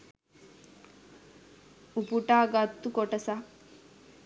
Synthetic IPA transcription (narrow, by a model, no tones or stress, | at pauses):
upuʈaːɡat̪ːukoʈɐsa